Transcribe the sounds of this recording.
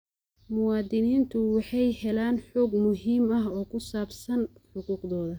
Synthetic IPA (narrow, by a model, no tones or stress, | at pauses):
mʊwɑːd̪ɪniːnt̪ʰʊwɑħɑjhɛlaːnħɔːɡmʊɦiːmɐɦɔːkʰʊsaːbsɐnħʊquːqðɔːðɐ